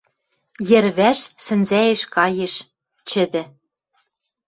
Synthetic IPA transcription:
jɘ̆ɾβæʃsɘ̆nzæeʃkɑjeʃ | t͡ɕɘ̆d̪ɘ̆

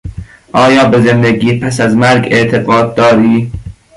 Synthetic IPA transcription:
ʔɒːjɒːbe̞zend̪eɡiːpʰæsæzmæɾɡe̞ʔt̪ʰeɡɒːd̪̚ːɒːɾiː

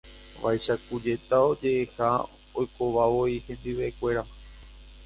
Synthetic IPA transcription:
ʋa̰jʃakud͡ʒe̞t̪ao̞d͡ʒe̞ʔeha | ojko̞ʋaʋo̞ihẽ̞nd̪iʋeekʷe̞ɾa

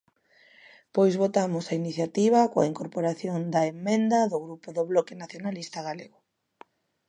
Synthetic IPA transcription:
pojzβot̪amʊsainiθjat̪iβ̞akoa̰iŋkoɾpoɾaθjond̪aemːẽnd̪aðʊɣɾupʊðʊβlɔkɪnaθjonalist̪aɣaleɣʊ

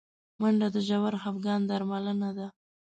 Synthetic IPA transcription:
maɳɖad̪əʒawaɾxafɡɑnd̪aɾmalənad̪a

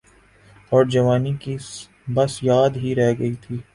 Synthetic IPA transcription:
ɔːɾd͡ʒɐʋaːniki | bɐsjaːd̪ɦiɾɛɦɡɐit̪ʰiː

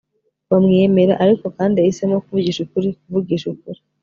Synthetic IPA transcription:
wamŋeme̞ɾaʔaɾiko̞kaːndiahise̞mo̞kuvuɡiːʃukuɾikuvuɡiːʃukuɾi

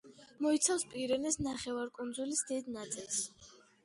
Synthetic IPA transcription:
mɔit̪sʰafspʼiɾɛnɛsnaχɛvaɾkʼund̪zulisd̪id̪nat̪sʼilˠs

